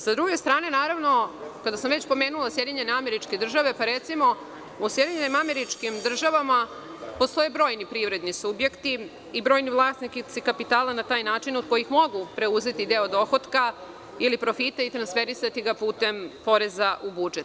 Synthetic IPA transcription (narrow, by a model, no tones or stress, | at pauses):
sad̪ɾuɡe̞st̪ɾaːne̞naːɾaʋno̞kad̪asamʋe̞t͡ɕpo̞me̞ːnulˠasjed̪iɲe̞neameɾit͡ʃke̞d̪r̩ʒaʋe̞paɾet̪simo̞ | usjed̪iɲenimame̞ɾit͡ʂkimd̪r̩ʒaʋama | post̪o̞jebɾo̞ːjnipɾiʋɾe̞d̪nisubje̞kt̪i | ibɾo̞ːjnivlˠaːsnikit̪sikapit̪aːlˠanat̪aːjnaːt͡ʃinod̪̥ko̞jixmo̞ɡupɾe̞uze̞t̪id̪eo̞d̪o̞xo̞t̪ka | ilipɾo̞fit̪ait̪ɾansfeɾisat̪iɡapuːt̪empo̞ɾe̞zaʔubud͡ʒet̪